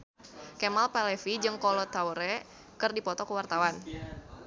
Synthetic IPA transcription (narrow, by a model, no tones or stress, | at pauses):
kemalpalɛfid͡ʒɨŋkɔlɔt̪awɾɛ | kɨrdipɔt̪ɔkəwart̪awan